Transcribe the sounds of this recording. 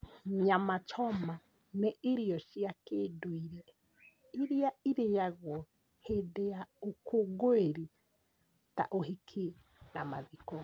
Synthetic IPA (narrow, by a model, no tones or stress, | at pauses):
mamat͡ʃɔma | neeɾiɔʃiakeːdoiɾɛ | iɾeaiɾejaɣwɔ | hedejaokʰoɡoeɾi | ta̰ʔoɦikʰe | nama̰ðikɔ